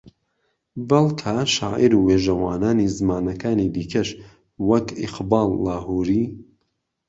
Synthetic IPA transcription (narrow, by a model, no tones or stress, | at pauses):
bɐlˠkʰaʃa̰ːʔiɾuweːʒɐwaːnaːnizɨmaːnɐkaːnid̪iːkʰɐʃ | wɐkɪ̰qbɑːlˠːaːhuːɾiː